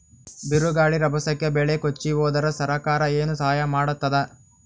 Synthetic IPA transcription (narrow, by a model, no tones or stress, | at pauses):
biɾuɡaːɭiɾɐbʱɐsɐkːebɛɭekot͡ʃːiʋoːd̪ɐɾɐsɐɾɐkaːɾɐeːnusɐɦɐjɐmaːɽut̪ːɐd̪e